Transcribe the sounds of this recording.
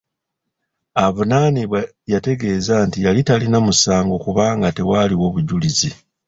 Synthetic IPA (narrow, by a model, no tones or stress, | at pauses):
aβunaːniβwa | jate̞ɡe̞ːzantijalitalinamusaːŋɡo̞kuβaːŋɡate̞waːliwo̞βuɟulizi